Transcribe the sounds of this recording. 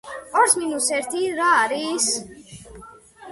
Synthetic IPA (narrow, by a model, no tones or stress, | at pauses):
ɔɾsminusɛɾt̪ʰiɾaːɾis